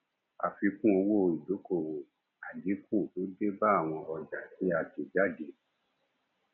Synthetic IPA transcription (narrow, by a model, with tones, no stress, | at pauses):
a̰˨fi˧kũ˦o˧wo˦˧i˨do˨˦ko˦˨o˨ | a˨d͡ʒi˨˦kʰũ˦˨to˨˦de˦ba˦a˦˨w̃ɔ̃˧ʔɔ˨d͡ʒa˨ti˨˦a˧ti˨d͡ʒa˦˨de˨˦